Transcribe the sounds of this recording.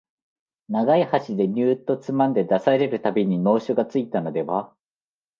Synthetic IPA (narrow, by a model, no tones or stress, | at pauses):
naɡaihaɕid̪e̞ɲ̟ʲɨːt̪ːo̞t͡sɨmãnd̪e̞d̪asaɾe̞ɾɯ̟t̪abʲiɲ̟ino̞ːɕoɡat͡sɨit̪ano̞d̪e̞βa